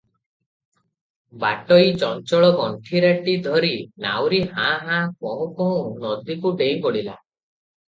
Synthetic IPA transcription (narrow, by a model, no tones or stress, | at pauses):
ba̰ʈɔit͡ʃɔnt͡ʃɔɭɔɡɔɳʈʰiɾaʈid̪ʱɔɾina̰wɾihãɦãkɔɦũkɔɦũnɔd̪ikuɖejŋkɔɽila̰